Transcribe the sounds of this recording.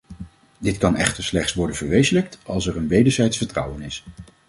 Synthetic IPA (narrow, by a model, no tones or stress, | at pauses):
dɪtkɑnɛ̰χtəɹslɛχtsʋɔɹdənvəɹʋejzələk̚tɑlˠsɛɹənʋejdəɹzɛjtsfəɹtrʌ̰wənɪs